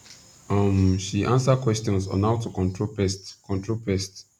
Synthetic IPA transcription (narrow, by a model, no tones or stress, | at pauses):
ʌmʃiʔãnsəkʰwɛstɔ̃nsɔ̰̃nhaʊtukɔ̃ntʰɹopɛstkʰɔ̃ntɹopɛst